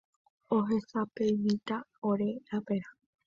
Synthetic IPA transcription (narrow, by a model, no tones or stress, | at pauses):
oɦesapejmĩt̪aoɾe̞ɾape̞ɾa